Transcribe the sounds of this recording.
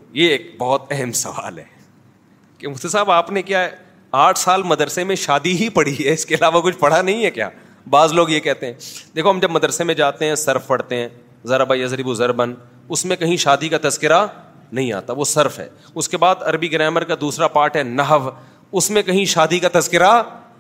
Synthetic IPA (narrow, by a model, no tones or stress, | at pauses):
jeeːk̚bɔːt̪ɛɦɛmsɐʋa̰ːlɦɛː | kemʊt̪esaːbaːpnekijaɦɛ | aːʈʰsaːlmɐd̪ɾsemẽʃaːd̪iɦipɐɽiɦɛɪskeɐlaːʋakʊt͡ʃʰpɐɽ̤anɐɦĩɦɛkja̰ː | baːzloːɡjekɛɦt̪ẽɦɛ̃ːd̪eːkʰoɦɐmd͡ʒɐbmɐd̪əɾsemẽd͡ʒaːt̪eɦɛ̃sɐɾfpɐɽ̤t̪eɦɛ̃ː | zɐɾabajɐzɾɪbuzɐɾbən | ʊsmẽkɐɦĩʃaːd̪ikat̪ɐzkɪɾa | nɐɦĩa̰ːt̪aʋosɐɾfɦɛ̰ː | ʊskebaːd̪ɐɾbiɡɾɛːməɾkad̪uːsɾapaːʈɦɛnɐɦəʋ | ʊsmẽkɐɦĩʃaːd̪ikat̪ɐzkɪɾa